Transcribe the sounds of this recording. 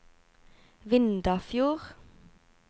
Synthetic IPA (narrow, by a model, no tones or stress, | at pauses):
ʋɪnd̪əfjuːʁ